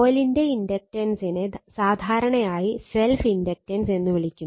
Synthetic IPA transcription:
oːlinde̞indɐk̚ʈɐnsinɨsaːd̪ʱaːɾɐɳɐjaːjise̞lfindɐk̚ʈɐnse̞nːɨʋiɭikʲːum

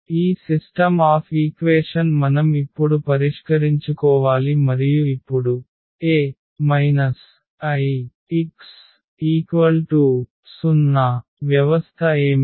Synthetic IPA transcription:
iːsisʈɐmaːpʰiːkʋeːʂɐnmɐnɐmipːuɽupɐɾiʂkɐɾiɲt͡ʃukɔːʋaːlimɐɾijuipːuɽu | eː | mɐjnɐs | ɐj | iks | iːkʋɐlʈu | sunːɐʋjɐʋɐst̪ʰɐeːmi

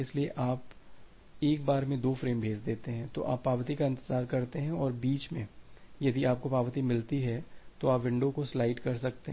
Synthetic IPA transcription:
ɪslieʔaːp | eːk̚baːɾmẽd̪oːfɾeːmbʱeːd͡ʒd̪eːt̪eɦɛ̃t̪o̰ʔa̰ːpːaːʋt̪ikaɪ̃nt̪əzaːɾkɐɾt̪eɦɛ̃ɔːɾbiːt͡ʃmẽjɐd̪iaːp̚kopaːʋt̪imɪlt̪iɦɛt̪oaːpʋɪ̃ɳɖõkoslaːɪʈkɐɾsɐk̚t̪eɦɛ̃

